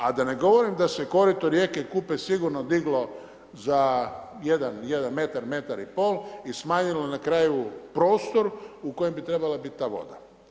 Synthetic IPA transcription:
ad̪ane̞ɡo̞ʋo̞ɾimd̪ase̞ko̞ɾit̪oɾje̞kekupesiɡuɾnod̪iɡlo̞ | za | jed̪anjed̪anme̞t̪aɾme̞t̪aɾipo̞ːlismaːɲilonakɾaːjupɾo̞ːst̪o̞ɾuko̞jembit̪ɾe̞balabit̪̚t̪ːaːʋo̞̰d̪a

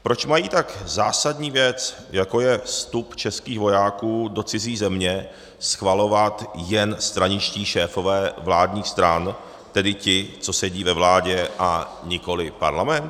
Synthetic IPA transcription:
pɾo̞t͡ʃmajiːt̪akzaːsadɲiːvjɛt͡s | jako̞jɛfst̪upt͡ʃɛskiːxvo̞jaːkuːdo̞t͡sɪziːzɛmɲɛ | sxvalo̞vat̪jɛnst̪ɾaɲɪt͡ʃciːʃɛːfo̞vɛːvlaːdɲiːxst̪ɾan | t̪ɛdɪcɪt͡so̞sɛɟiːvɛvlaːɟɛʔa | ɲɪko̞lɪpa̰ɾlamɛnt̪

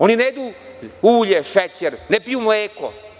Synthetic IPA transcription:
onineed̪uː | uːʎeʃet͡ɕeɾnepijumleːko̰

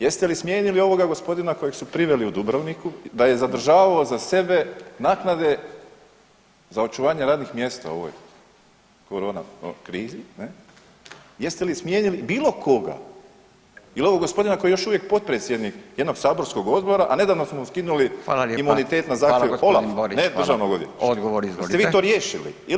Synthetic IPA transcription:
jest̪elismjeːɲilio̞ʋo̞ɡaɡo̞spo̞d̪inako̞jeɡsupɾiʋe̞liud̪ubɾaʋnikud̪aje̞zad̪r̩ʒaːʋaozase̞be̞naːknad̪e̞ | zao̞t͡ʃuʋaːɲeɾaːd̪nixmje̞st̪a̰o̞̰ʋo̰j | koɾoːna̰kɾiːzine | jest̪elismjeːɲilibiːlokʰo̞ɡa̰ | ilioʋoɡo̞spo̞d̪inakojejo̞ʃuʋje̞k̚po̞t̪̚pɾet̪sʲjed̪nikjed̪no̞ɡsaːbo̞ɾsko̞ɡo̞d̪bo̞ɾaʔane̞d̪aːʋnosmouskinulialimunit̪eːt̪nazaːt̪jolaɾnedɾʒaʋnoɡod̪ḭoɡoʋoɾieʋioɾjeːʃilḭi

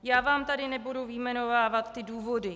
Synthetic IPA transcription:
jaːvaːmt̪adɪnɛbuduvɪjmɛno̞vaːvat̪ːɪduːvo̞dɪ

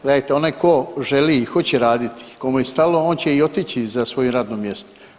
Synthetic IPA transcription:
ɡ̥led̪ajt̪eo̞najko̞ʒeliːxo̞t͡ɕeɾaːd̪it̪i̥komujest̪alo̞oːnt͡ɕeio̞t̪it͡ɕizasʋo̞juɾaːd̪nomje̞st̪o

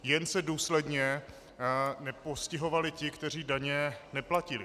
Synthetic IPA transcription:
jɛnsɛduːslɛdɲɛ | nɛpo̞scɪɦo̞valɪcɪkt̪ɛr̝iːdaɲɛnɛplacɪlɪ

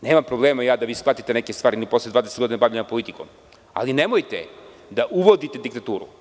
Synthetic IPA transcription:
neːmampɾo̞blˠe̞ːmajaːd̪aʋiːsplˠat̪it̪e̞ne̞kest̪ʋaːɾiniposled̪vaːd̪eseɡoinabaʋʎenampo̞lit̪iko̰m | a̰line̞mojt̪ḛ | d̪aʔuʋo̞d̪it̪ed̪ikt̪at̪uːɾṵ

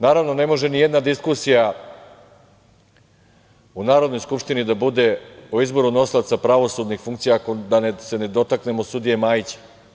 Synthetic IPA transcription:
naːɾaʋno̞ne̞mo̞ʒenijed̪nad̪iskusija | unaːɾo̞d̪no̞jskupʂt̪inid̪abud̪e̞oizbo̞ɾuno̞silat̪sapɾaʋo̞sud̪nixfuŋkt̪sijakod̪anese̞ne̞d̪o̞t̪akne̞mosud̪ije̞maːjit͡ɕe̥

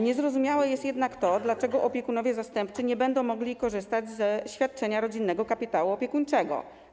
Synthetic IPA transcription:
ɲɛzɾɔzumʲjawɛjɛst̪jɛd̪nakt̪ɔd̪lat͡ʂɛɡɔʔɔpʲjɛkunɔvjɛzast̪ɛmpt͡s̪ɘɲɛbɛnd̪ɔ̃w̃mɔɡlʲikɔʐɘst̪ad͡ʑzɛɕfʲjat̪̚t͡ʂɛɲaɾɔd͡ʑinːɛɡɔkapʲit̪awuɔpʲjɛkuɲt͡ʂɛɡɔ̰

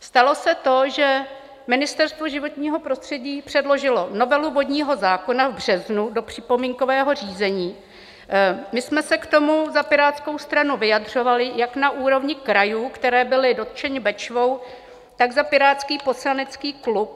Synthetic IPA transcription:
st̪alo̞sɛt̪o̞ʒɛ | mɪnɪst̪ɛɾst̪vo̞ʒɪvo̞t̪ɲiːɦo̞pɾo̞st̪r̥ɛɟiːpr̝̥ɛdlo̞ʒɪlo̞no̞vɛluvo̞d̪ɲiːɦo̞zaːko̞navbr̝̥ɛznudo̞pr̝̥ɪpo̞miːŋko̞vɛːɦo̞r̝iːzɛɲiː | mɪsmɛsɛkt̪o̞muzapɪɾaːt̪skowst̪ɾanuvɪjadr̝o̞valɪjaknaʔuːɾo̞vɲɪkɾajuːkt̪ɛɾɛːbɪlɪdo̞t̪t͡ʃɛɲɪbɛt͡ʃvo̞w | t̪aɡzapɪɾaːt̪t͡skiːpo̞slanɛt͡skiːklup̚

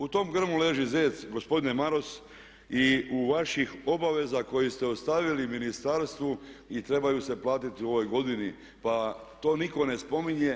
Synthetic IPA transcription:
ut̪o̞mɡr̩mule̞ʒizeːsɡo̞spo̞d̪inemaɾo̞s | iuʋaʃixo̞baʋe̞zako̞jist̪eost̪aʋiliminist̪aɾst̪ʋuit̪ɾe̞bajuse̞plˠaːt̪it̪iuo̞ʋo̞jɡo̞d̪ini | pat̪o̞ːniko̞ne̞spo̞miɲe

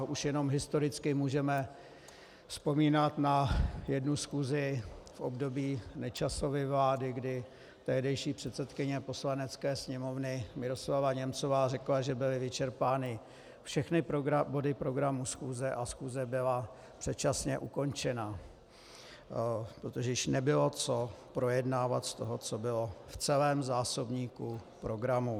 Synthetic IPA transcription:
ʔuʃjɛno̞mɦɪst̪o̞ɾɪt͡skɪmuːʒɛmɛ | fspo̞miːnat̪najɛdnusxuːzɪfʔo̞bdo̞biːnɛt͡ʃaso̞vɪvlaːdɪɡdɪ | t̪ɛɦdɛjʃiːpr̝̥ɛt̪sɛt̪kɪɲɛpo̞slanɛt͡skɛːsɲɛmo̞vnɪmɪɾo̞slavaɲɛmt͡so̞vaːrɛklaʒɛbɪlɪvɪt͡ʃɛɾpaːnɪ | fʃɛxnɪpbo̞dɪpɾo̞ɡɾamusxuːzɛʔasxuːzɛbɪla | pr̝̥ɛt̪t͡ʃasɲɛʔuko̞nt͡ʃɛna | pɾot̪oʒɛjɪʃnɛbɪlo̞t͡sopɾo̞jɛdnaːva̰t̪st̪o̞ɦot͡so̞bɪlo̞ft͡sɛlɛːmzaːso̞bɲiːkupɾo̞ɡɾamu

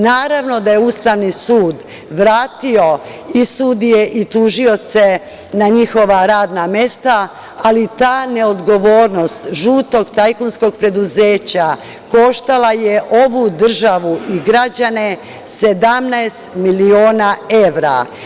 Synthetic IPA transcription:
naːɾaʋno̞d̪ajeuːst̪aʋnisuːd̪ | ʋɾaːt̪io̞ | isud̪ije̞ʔit̪uʒio̞t̪se̞ | naɲixo̞ʋaɾaːd̪name̞st̪aː | lit̪aːne̞o̞d̪ɡo̞ʋo̞ːɾno̞st̪ʒuːt̪o̞ɡt̪ajkonsko̞ɡ̚pɾe̞d̪uze̞ːt͡ɕa | ko̞ʃt̪alajeʔo̞ʋud̪r̩ʒaʋuʔiɡɾad͡ʑane | se̞d̪amnaest̪milio̞ːnae̞ʋɾa̰

